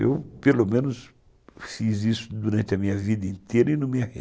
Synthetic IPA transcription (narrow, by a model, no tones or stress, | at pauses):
ḛwpelomẽnʊs | fizisʊ̥d̪uɾɐ̃nt̪ɪɐmĩɲɐvid̪ɐĩnt̪eɾɐinɐ̃mĩɐhḛ